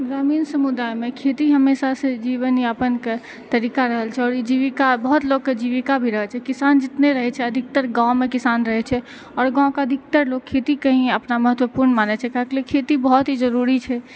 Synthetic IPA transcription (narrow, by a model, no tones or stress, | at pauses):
ɡɾaminsəmud̪ajmekʰet̪iɦəmːesasẽd͡ʒiʋəniəpənke | t̪əɾikaɾəɦəlt͡ʃʰɛɔːɾid͡ʒiʋikabəɦut̪loɡked͡ʒiʋikabʱiɾəɦət͡ʃʰɛkisand͡ʒɪt̪neɾəɦɛt͡ʃʰɛəd̪ʱɪk̚t̪əɾɡãw̃mekisanɾəɦɛt͡ʃʰɛ | ɔːɾɡãkeəd̪ʱɪk̚t̪əɾlok̚kʰːet̪ikəɦĩəpnaməɦət̪wəpuɾnmanɛt͡ʃʰɛkaɦeklekʰet̪ibəɦɔt̪ɦid͡ʒəɾuɾit͡ʃʰɛ